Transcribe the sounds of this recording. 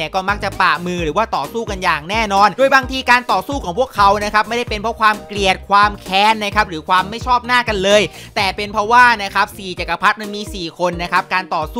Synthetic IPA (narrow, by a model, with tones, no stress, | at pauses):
kɔː˥˩ma˦˥k̚t͡ɕa˨˩paː˨˩mɯː˧ɾɯː˩˦waː˥˩t̪ɔː˨˩suː˥˩ka˧njaː˨˩ŋnɛː˥˩nɔː˧nduː˧əjbaː˧ŋt̪ʰiː˧kaː˧nt̪ɔː˨˩suː˥˩kʰɔː˩˦ŋpʰu˥˩əkʰːa˨˦˥wna˦˥kʰa˦˥p̚ma˥˩jda˥˩jpe˧npʰɔ˦˥kʰwaː˧mkli˨˩ət̪̚kʰwaː˧mkʰɛː˧nːa˦˥kʰa˦˥p̚ɾɯː˩˦kʰwaː˧mːa˥˩jt͡ɕʰɔː˥˩p̚naː˥˩ka˧nlɤː˧jt̪ɛː˨˩pe˧npʰɾɔ˦˥waː˥˩na˦˥kʰa˦˥p̚siː˨˩t͡ɕa˨˩kːa˧˩pʰa˦˥t̪̚ma˧nmiː˧siː˨˩kʰo˧nːa˦˥kʰa˦˥p̚kaː˧nt̪ɔː˨˩suː˥˩